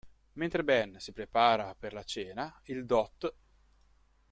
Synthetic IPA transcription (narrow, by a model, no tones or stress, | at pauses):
ment̪ɾebɛnsipɾepaːɾaperlat͡ʃɛːnaild̪ɔt̪ː